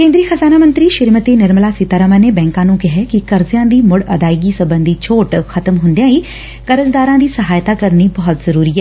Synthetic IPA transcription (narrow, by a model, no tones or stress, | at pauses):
kẽːnd̪ɾiːxəzaːnaːmə̃nt̪ɾiːʃɪɾmət̪eːnɪɾmlaːsɪt̪aːɾəmanebɛ̃ːŋkãːnũːkɪɦɛkikɐɾzjãːd̪iːmʊɽɐd̪aːɪɡisɐbə̃nd̪ʱit͡ʃʰoːʈxɐt̪əmɦʊ̃nd̪ijãːiː | kɐɾəzd̪aːɾãːd̪iːsəɦaːjt̪aːkɐɾnibɐɦʊt̪zəɾuːɾiːɦɛː